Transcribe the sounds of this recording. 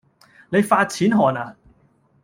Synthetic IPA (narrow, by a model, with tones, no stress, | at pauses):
ne˨˧jfaː˧t̚t͡sʰiː˨˥nɦɔː˨˩naː˨